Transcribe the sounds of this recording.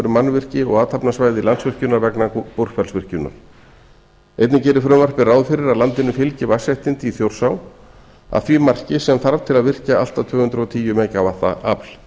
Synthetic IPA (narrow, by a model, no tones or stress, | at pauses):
ɾʏmanvɪr̥cɪɔɣaːt̪ʰapnasvaːjðɪlansvɪr̥cʏnːaɾvɛknapur̥fɛɾlsvɪr̥cʏnːa̰ɾ̥ | ḛjt̪nɪcɛːɾʏfɾœːmvar̥pɪraːwðfɪɾɪɾaðlant̪ɪnʏfɪlcɪvasjaht̪ɪnt̪iθjowr̥saw | a̰ðθviːmar̥cɪsɛmθaɾvt̪ʰɪlaðvɪr̥caalt̪at̪ʰvʏːɣhʏnt̪ɾʏɔt̪ʰiːjʏmeːjcavaht̪a̰ʔa̰pl̥